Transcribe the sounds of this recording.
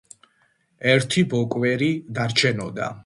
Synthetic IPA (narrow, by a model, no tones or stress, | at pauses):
ɛɾt̪ʰibɔkʼwɛɾid̪aɾt͡ʃʰɛnɔd̪a̰